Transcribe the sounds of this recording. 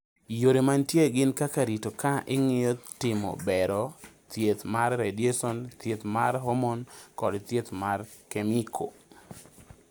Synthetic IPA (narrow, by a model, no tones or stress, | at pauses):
joɾemantjeɡɪnkakaɾitokaʔɪŋɪjɔtɪmo̰bɛɾɔ | t̪jet̪marːedjesɔnt̪jet̪maɾɦomonkɔdt̪jet̪markemikʰo